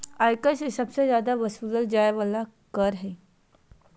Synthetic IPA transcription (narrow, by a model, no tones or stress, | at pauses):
ajkəsesəbsezjaːd̪aʋəsuləld͡ʒajʋala | kəɾɦe